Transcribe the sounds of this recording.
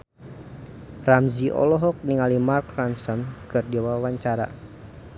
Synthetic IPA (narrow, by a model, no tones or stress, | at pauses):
ramziʔɔ̰lɔɦɔk̚niŋalimarkransɔnkɨrdiwawaɲt͡ʃaɾa̰